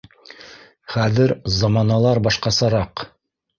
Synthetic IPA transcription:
χæðɘɾzɑmɑnɑlˠɑɾbɑʃqɑsɑɾɑq

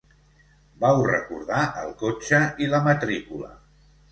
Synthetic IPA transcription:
bawrə̰kuɾðaʔə̰lˠkot͡ʃəiləmət̪ɾikulə̰

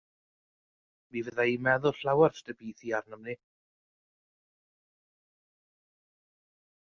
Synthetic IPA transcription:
mivəðaimɛðʊlˠɬawarstəbiːθiarnəmni

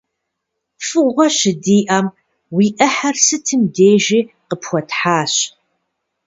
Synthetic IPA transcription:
fɨʁʷɔɕɪdiːʔɐm | wiːʔɐħɐrsɨtʰɨmdeːʒiː | qəpxʷɔtħaːɕ

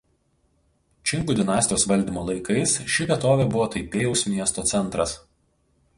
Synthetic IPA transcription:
t͡ʃʲɪŋkuːd̪ʲɪnɑːsʲt̪ʲɪjoːsʋɐlʲd̪ʲimoːlˠɐɪkɐɪsʃʲɪʋʲiɛt̪oːʋʲeːˑbʊʋoːt̪ɐɪpʲeːjɛʊsmʲiɛst̪oːt̪sʲɛnˑt̪ɾɐs

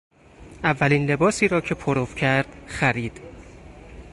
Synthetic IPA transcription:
ʔævːæliːnle̞bɒːsiːɾɒːcʰe̞pʰoɾofcʰæɾd̪̥xæɾiːd̪̥

